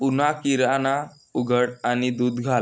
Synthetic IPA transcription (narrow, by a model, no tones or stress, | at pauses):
unakiɾana | uɡʱəɽanid̪uːd̪ɡʱa